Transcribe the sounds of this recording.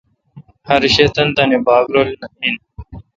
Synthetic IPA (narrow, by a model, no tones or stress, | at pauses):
hɐɾiɕet̪ɐnt̪ɐnebaːɡɾolnɐin